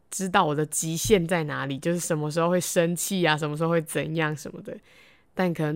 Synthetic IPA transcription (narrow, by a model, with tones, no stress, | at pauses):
ʈ͡ʂɻ̩˥t̪ɑ˥˩ʊwo˨˩d̪ə˩t͡ɕi˧˥ɕjɛ˥˧nt͡sa˥˩ɪna˧˥li˨˩t͡ɕjo˥˧ʊʂɻ̩˥˩ʂə˧˦nmə˧ʂ̬ɻ̩˧˥xo˧xwe˥˩ɪʂə˦nt͡ɕʰi˥˩a˨˩ʂ̬ə˧nm˧ʂ̬̩˧xo˥˧we˥˩ɪt͡sə˨˩njɑ˥˨ŋʂə˧˦nmə̰˧d̪ə˩ | t̪a˥˩nkʰɤ˨˩nə˧˦